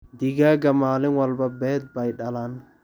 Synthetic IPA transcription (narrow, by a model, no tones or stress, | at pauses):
d̪ɪɡaːɡɐmaːlɪŋwɐlbɐbɛːd̪̚bɐjɗɐlan